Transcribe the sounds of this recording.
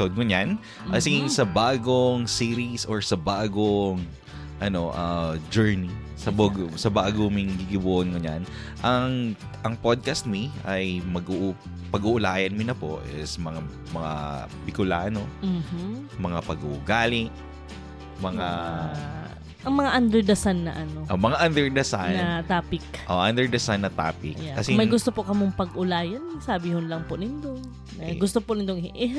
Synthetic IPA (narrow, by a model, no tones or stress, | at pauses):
od̪̚ŋʊɲan | ʔɐsɪɡɪŋsɐbaːɡoŋsiːɾisoɹsɐbaːɡoŋ | ʔɐno̞ʔɐd͡ʒɛɹni | sɐbsɐbaːɡomɪŋɡiɡɪbuʔonŋʊɲa̰n | ʔɐŋ | ʔɐŋpod̪̚kɐst̪̚miɐjmɐɡuʔ | pɐɡuʔʊlaːjɐnmɪnɐpo̰ʔɪsmɐŋa | mɐŋa̰pɪkʊlaːnom̩ːh̩mɐŋapɐɡṵʔːɡaːlɪʔ | mɐŋa | ʔɐŋmɐŋaʔɐnd̪ɛɹd̪ɐsanːɐʔɐnoʔomɐŋaʔand̪ɛɹd̪ɐsanɐt̪aːpɪkʔoʔand̪ɛɹd̪ɐsanːɐt̪a̰ːpɪkjaːɐsɪmɐjɡʊst̪opokɐmoŋpɐɡʔʊlaːjɐnsabihʊnlɐŋpʊʔnɪnd̪o | nɐɡʊst̪opʊnɪnd̪oŋʔɛ